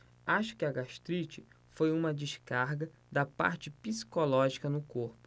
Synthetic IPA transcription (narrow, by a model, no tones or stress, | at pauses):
aʃʊ̥kɪɐɡaʃt̪ɾit͡ʃɪ | fojũmɐd͡ʒɪʃkaɾɡɐ | d̪ɐpa̰ɾt͡ʃɪpisi̥kolɔʒikɐnʊkoɾpʊ̥